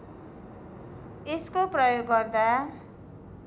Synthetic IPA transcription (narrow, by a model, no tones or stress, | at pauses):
eskoprʌjoɡːʌrd̪a